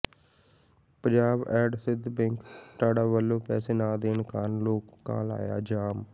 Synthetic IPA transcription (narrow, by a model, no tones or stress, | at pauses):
pə̃ɲd͡ʒaːbɛːɖsɪd̪pɛ̃ŋkt̪aːɖaːʋəlːõːpɛːseːnaːd̪eːnkaːɾnloːkːã̰ːla̰ːja̰ːd͡ʒaːm